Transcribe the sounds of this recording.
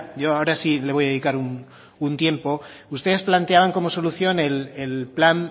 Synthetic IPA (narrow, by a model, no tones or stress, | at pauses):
ʝo̞aoɾasile̞βo̞jaðe̞ðikaɾun | unt̪je̞mpo̞ | ust̪e̞ðesplant̪e̞aβ̞aŋko̞mo̞so̞luθjo̞ne̞lelplan